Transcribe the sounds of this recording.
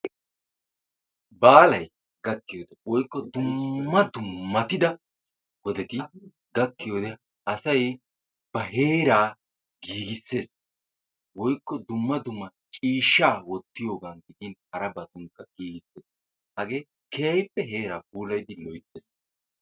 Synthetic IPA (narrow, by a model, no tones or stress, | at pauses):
baːlɐj | ɡɐkːɪjoːd̪ɛwɔjkːɔd̪ʊmːɐd̪ʊmːɐt̪ɪd̪ɐ | wɔd̪ɛt̪ɪ | ɡɐkːɪjoːd̪ɛ | ʔɐsɐj | b̥ɐɦe̞ːɾaː | ɡiːɡɪsːe̞ːs | wɔjkːɔd̪ʊmːɐd̪ʊmːɐt͡ʃʼiːʃːaːwɔt̪ːɪjo̞ːɡaːnɡɪd̪ɪnhɐɾɐbɐt̪ʊŋkːɐɡiːɡɪsːeːs | hɐɡe̞ː | kejɐjpːɛɦe̞ːɾaːp̚uːlɐjd̪ɪlɔjt̪ːes